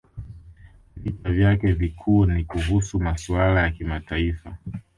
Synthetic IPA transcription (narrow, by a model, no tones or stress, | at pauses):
vitavjakɛvikʰuːnikuɦusumaswalajakimataifa